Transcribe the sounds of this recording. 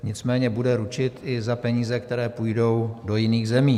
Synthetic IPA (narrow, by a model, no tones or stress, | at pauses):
ɲɪt͡smɛːɲɛbudɛɾut͡ʃɪt̪ʔɪzapɛɲiːzɛkt̪ɛɾɛːpujdo̞wdo̞jɪniːɣzɛmiː